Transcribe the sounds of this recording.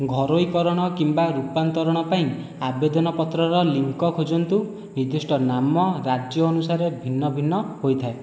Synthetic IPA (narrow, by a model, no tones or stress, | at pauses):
ɡʱɔɾojkɔɾɔɽ̃ɔkimbaɾupant̪ɔɾɔɽ̃ɔpaĩ | abed̪ɔnɔpɔt̪ɾɔɾɔliŋkɔkʰod͡ʒɔnt̪u | nid̪isʈɔnamɔɾad͡ʒjɔːnusaɾebʱinːɔbʱinːɔhojt̪ʰae